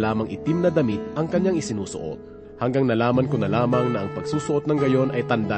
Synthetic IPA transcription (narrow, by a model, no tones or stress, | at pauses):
laːmɐŋʔɪt̪imnɐd̪ɐmit̪̚ʔɐŋkɐɲjaŋɪsɪnuːsʊ̰ʔo̞̰t̪̚ | hɐŋɡaŋnɐlaːmɐnkonɐlaːmɐŋnɐʔɐŋpɐɡsuːsʊʔo̞t̪nɐŋɡɐjo̞nʔɐjt̪ɐnd̪a